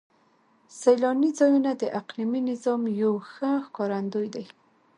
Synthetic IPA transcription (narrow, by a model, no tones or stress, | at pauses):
sajlɑnizɑjunad̪əʔaqliminɪzɑmjawxəxkɑɾand̪ojd̪aj